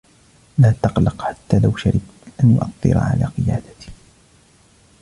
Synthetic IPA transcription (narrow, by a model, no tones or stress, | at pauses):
laːt̪ɑqlɑqħat̪ːaːlawʃaɾɪb̚t̪ʔanjʊ̰ʔɑt̪ˤːɨ̰ɾa̰ʕa̰laːqɨjaːd̪ḁt̪i̥